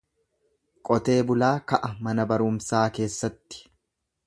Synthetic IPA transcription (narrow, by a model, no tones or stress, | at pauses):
kʼɔt̪e̞ːbʊlaːkɐʔɐmɐnɐbɐɾʊmsaːke̞ːsːɐt̪ːɪ̥